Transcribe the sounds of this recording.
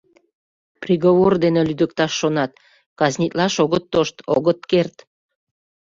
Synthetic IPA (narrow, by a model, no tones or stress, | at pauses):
prʲiɣoβord̪enelyd̪ək̚t̪ɑʃːonɑt̪ | kɑznʲit̪lɑʃoɣət̪ːoʃt̪o̰ɣət̪kert̪